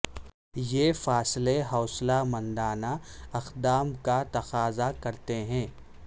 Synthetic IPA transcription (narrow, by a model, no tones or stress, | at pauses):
jeːfaːsleɦɔːslamɐ̃nd̪aːnaɐqd̪aːmkat̪ɐqaːzakɐɾt̪eɦɛ̃ː